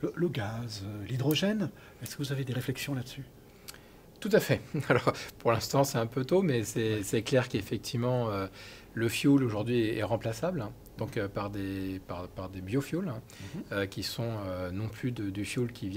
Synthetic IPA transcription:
lələɡazølid̪ʁɔʒɛn | ɛskəvuzaved̪eʁeflɛksjɔ̃lad̪əsy | t̪ut̪afɛalɔʁpuʁlɛ̃st̪ɑ̃sɛɛ̃pøt̪omɛsɛsɛklɛʁkefɛk̚t̪ʰivmɑ̃ø | ləfjuloʒuʁd̪ɥiɛɛʁɑ̃plasabl | d̪̥ɔ̃køpaʁd̪epaʁpaʁd̪ebjofjulɛ̃ | økʲisɔ̃ønɔ̃plyd̪əd̪yfjulkʲivjɛ

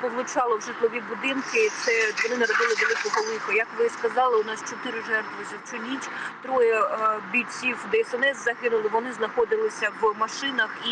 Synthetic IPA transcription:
pɔʋlˠʊt͡ʃɑlˠɔwʒɪt̪lˠɔʋʲibud̪ɪnkɪt̪sɛʋɔnɪnɐɾɔd̪ɪlˠɪʋɛlˠɪkɔɦɔlˠɪkɔjɐkʋɪskɐzɑlˠɪʊnɑst͡ʃɔt̪ɪɾɪʒɛrt̪ʋɪzʲit͡ʃʊlʲitʲt̪ɾɔjɛbʲit͡sʲiwd̪ɛɛsɛnɛszɐɦɪnʊlˠɪʋɔnɪznɐxɔd̪ɪlˠɪsʲɐʋmɐʃɪnɐxi

